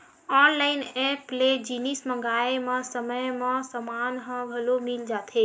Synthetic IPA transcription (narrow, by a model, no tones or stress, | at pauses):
ɔnlaɪnepled͡ʒinismə̃ŋɡaemẽsəməjmẽsəmanɦə̃bʱəlomild͡ʒat̪ʰe